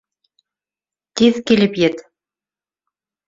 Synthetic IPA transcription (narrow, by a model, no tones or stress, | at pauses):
t̪iðkilɘpjɘt̪